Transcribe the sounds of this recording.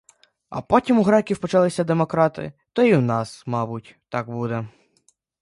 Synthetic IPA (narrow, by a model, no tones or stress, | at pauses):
ɐ̰pɔtʲimuɦɾɛkʲiwpɔt͡ʃɑlˠɪsʲɐd̪emɔkɾɑt̪ɪ̰t̪ɔiwnɑsmɑbʊtʲt̪ɑkbud̪ɛ